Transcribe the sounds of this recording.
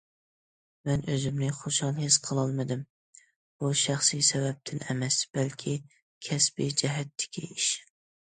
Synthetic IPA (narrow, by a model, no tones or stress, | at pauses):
mɛnʔøzɪmnɪχoʃhɑlˠhɪsqʰəlˠɑlˠmɨd̪ɪm | b̥uʃæχsɨjsɛvɛp̚t̪ʰɪnɛmɛsb̥ælkʲʰi | kʲʰɛsbid͡ʒɛɦæt̪ʰːɪ̥kʲʰḭiʃ